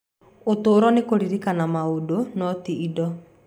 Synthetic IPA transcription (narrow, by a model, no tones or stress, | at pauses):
otoːɾɔnekoɾiɾikanamaodonɔtiidɔ